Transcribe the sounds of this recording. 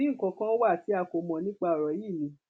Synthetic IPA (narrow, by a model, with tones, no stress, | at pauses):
i˦ŋ̩˨kɔ̃˧kã˦wa˦˨ti˨˦a˧ko˨mɔ̃˨nĩ˦k͡pa˦˨ɔ˨ɾɔ˨˦ji˦˨mĩ˨˦